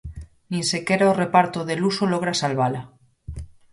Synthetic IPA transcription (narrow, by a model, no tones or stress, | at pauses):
nĩnsekeɾaore̞paɾt̪oðe̞lusolo̞ɣ̞ɾasalβala